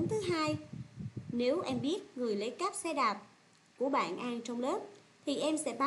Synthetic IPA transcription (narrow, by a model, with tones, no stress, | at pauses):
nt̪ʰɨ˨˦ɦaː˧j | ne˨˦wʔɛ˧mɓi˦˥ət̚ŋɨ˨˩əjle˨˦jka˦˥p̚sɛ˧ɗaː˨˩p̚ | ku˧˩əɓa̰ː˧˩˨nʔaː˧ŋt͡ɕɔ˧wŋ͡mləː˦˥p̚ | t̪ʰi˨˩ʔɛ˧msɛ̰˧˥ɓa˧